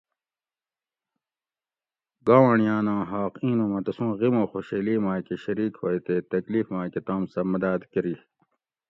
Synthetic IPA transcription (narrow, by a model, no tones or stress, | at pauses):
ɡaːwɐɳijãːnãːɦaːqĩːnomɐt̪ɐsũːɣimõːxoːɕeːliːmãːkeɕɐɾiːkhojt̪eːt̪ɐkliːfmãːket̪ãːmsɐmɐd̪aːd̪kɐɾi